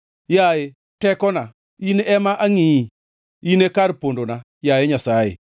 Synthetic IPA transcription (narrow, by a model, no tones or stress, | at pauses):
jaje | tɛkɔna | ineʔɛmaʔaŋii | inekaɾpondona | jajeɲasajḛ